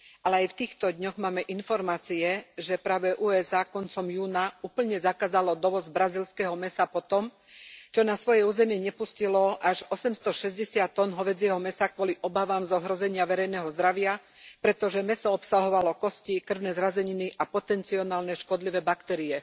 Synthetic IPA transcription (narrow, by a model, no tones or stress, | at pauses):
alɛajft̪iːxt̪ɔd̪ɲɔɣmaːmɛʔinfɔɾmaːt͡siɛʒɛpɾaːʋɛʔuːɛzaːkɔnt͡sɔmjuːnauːpl̩ɲɛzakaːzalɔd̪ɔʋɔzbɾazilskɛɦɔmɛsapɔt̪ɔm | t͡ʃɔnasʋɔjɛuːzɛmɪɛɲɛpuscilɔʔaʒɔsɛmst̪ɔʃɛzɟɛsɪat̪ːɔnɦɔʋɛd͡zɪɛɦɔmɛsakʋʊɔliʔɔbaʋaːmzɔɦɾɔzɛɲɪaʋɛɾɛjnɛɦɔzd̪ɾaʋɪa | pɾɛt̪ɔʒɛmɛsɔɔpsaɦɔʋalɔkɔscikr̩ʊnɛzɾazɛɲiniʔapɔt̪ɛnt͡siɔnaːlnɛʃkɔd̪liʋɛːbakt̪ɛːɾiɛ